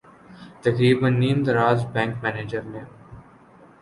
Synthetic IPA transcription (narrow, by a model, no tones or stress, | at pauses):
t̪ɐɡɾiːbə̃nːẽːmd̪əɾaːzbɛ̃ːŋkmɛːneːd͡ʒəɾnẽːm